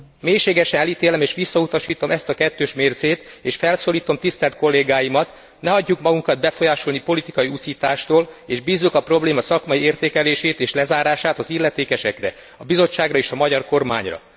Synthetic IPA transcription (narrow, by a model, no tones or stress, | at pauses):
meːjʃeːɡɛʃɛnɛliːt̪eːlɛmeːʃʋisːɒut̪ɒʃiːt̪o̞mɛst̪ɒkɛt̪ːøːʃmeːrzeːt̪eːʃfɛlsoːliːt̪o̞mt̪ist̪ɛlt̪̚ko̞lːeːɡaːjimɒt̪ | nɛɦɒɟːukmɒɡuŋkɒd̪̚bɛfo̞jaːʃo̞lnipo̞lit̪ikɒjiusiːt̪aːʃt̪oːleːʒbiːzːukɒpro̞bleːmɒsɒkmɒjieːrt̪eːkɛleːʃeːt̪eːʃlɛzaːɾaːʃaːt̪ɒzilːɛt̪eːkɛʃɛkrɛ | ɒbizo̞t͡ʃːaːɡrɒeːʃɒmɒɟɒrko̞rma̰ːɲrɒ̰